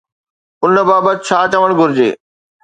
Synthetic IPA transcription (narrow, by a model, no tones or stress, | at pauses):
ʊnbaːbət̪ɪt͡ɕʰaːt͡ɕəʋəɽ̃ɡʱʊɾɪd͡ʑḛː